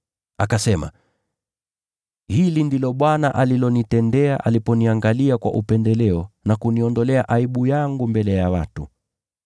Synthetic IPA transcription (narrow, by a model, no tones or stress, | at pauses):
akasɛma̰ | hilindilɔɓwanaʔalilɔnitɛndɛaʔalipɔniaŋɡaliakwa̰ʔupɛndɛlɛɔnakuniɔndɔlɛaʔaiɓujaŋɡumbɛlɛjawa̰tṵ